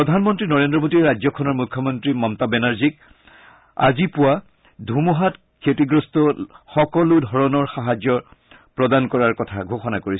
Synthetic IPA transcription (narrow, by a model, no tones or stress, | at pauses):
pɹɔdʱanmɔntɹinɔɹendɹɔbotiɹazɔkʰɔnɔɹmukʰːjɔmɔntɹimɔmtabɛnaɹzik | a̰zipʊwa | dʱumɔɦat | kʰetiɡɹɔstɔxɔkɔlʊdʱɔɹɔnɔɹxaɦazjɔ | pɹɔdankɔɹaɹkɔtʰaɡʱoxɔnakoɹisɔ